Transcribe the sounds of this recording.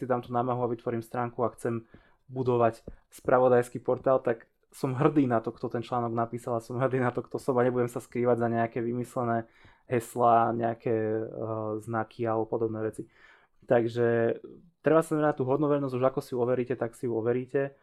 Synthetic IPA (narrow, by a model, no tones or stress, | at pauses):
sid̪aːmt̪uːnaːmaɦuaʋit̪ʋɔɾiːmst̪ɾaːŋkuaxt͡sɛm | bud̪ɔʋacspɾʔaʋɔd̪ajskipɔɾt̪aːlt̪ak | sɔmɦr̩d̪iːnat̪ɔkt̪ɔt̪ɛnt͡ʃlaːnɔɡnapiːsalasɔmɦr̩d̪iːnat̪ɔkt̪ɔsɔmaɲɛbuɟɛmsaskɾiːʋaɟzaɲɛakɛʋimislɛnɛː | ɦɛslaːɲɛakʰɛ | znakʰialɛbɔpɔd̪ɔbnɛːʋɛt͡si | t̪aɡʒɛt̪ɾɛbasanamɛnac̚t̪uːɦɔd̪nɔʋɛɾnɔzɟuʒakɔsiuɔʋɛɾiːcɛt̪aksiuɔʋɛɾiːcɛ